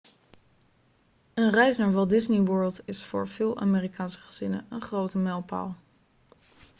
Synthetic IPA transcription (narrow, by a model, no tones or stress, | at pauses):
ənrɛjsnaːɹvɑlˠdɪzniʋɜːɹlˠtɪsfʊːɹv̥ɪːlˠʔa̰ːmeːrikaːnsə̥χəz̥ɪnə̰ənχrowtəmɛlˠpa̰ːlˠ